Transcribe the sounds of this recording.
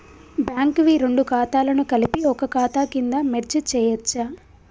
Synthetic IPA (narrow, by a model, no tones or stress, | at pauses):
bjaːŋkɐʋiɾe̞ɳɖukaːt̪aːlɐnukɐlipiɔkɐkaːt̪aːkind̪ɐmeɾt͡ʃut͡ʃɛːjɐt͡ʃːa